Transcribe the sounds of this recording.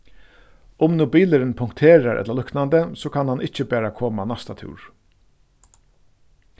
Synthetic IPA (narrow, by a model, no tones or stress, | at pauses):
ʊmnʊbiːləɾɪnpʰʊŋkt̪ʰeːɾaɾʔɛ̰t̪lalʏknand̪əsoːkʰanhanʔɪht͡ʃəbæːɾakʰoːmanast̪at̪ʰʉ̰ːɹ̥